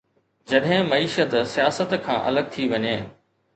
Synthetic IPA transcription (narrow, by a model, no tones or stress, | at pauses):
d͡ʑɐɗɦɪ̃mɐiːʃət̪sijaːsət̪kʰã̰ːʔɐ̰ləɡ̚t̪ʰiʋɐɲeː